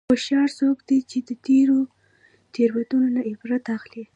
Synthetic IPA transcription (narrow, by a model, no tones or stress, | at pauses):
xʊʃɑɾsokd̪et͡ʃed̪ət̪eɾo | t̪eɾwad̪unonaɪfɾat̪axli